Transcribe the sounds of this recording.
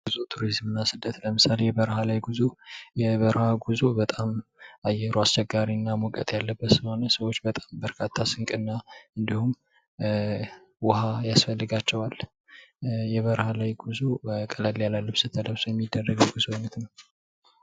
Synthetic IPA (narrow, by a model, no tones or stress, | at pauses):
ɡuzut̪ʰuɾizmɨnːasɨd̪ːət̪ləmɨsalejɛβəɾɦalajɡuzujɛβəɾhaɡuzubət̪ʼamajːɛɾuast͡ʃɛɡːaɾinːamɔkʼə̰t̪ʼjalːəbːət̪sɨmonəsəwo̞t͡ʃːbət̪ʼambəɾkʰat̪ʰːasɨŋkʼɨnːaɨnd̪ihum | wʊhajasfəlːɨɡat͡ʃːɛwal | jɛβəɾhalajɡuzukʼəlalljalalːəsɨt̪ʰːədəβsojɛmːid̪ːərːəɡəwɡuzonət̪nəw